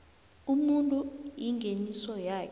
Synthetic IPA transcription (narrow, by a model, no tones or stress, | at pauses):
umuntʼuiŋɡʱenisɔjaːk